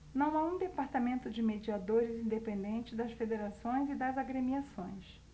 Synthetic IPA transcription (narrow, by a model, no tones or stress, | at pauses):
nɐ̃w̃aũd̪epaɾt̪amẽnt̪ʊd͡ʒɪmed͡ʒiad̪oɾɪzĩnd̪epẽnd̪ẽnt͡ʃɪd̪ɐsfed̪eɾasõj̃zɪd̪ɐzaɡɾemiasõj̃s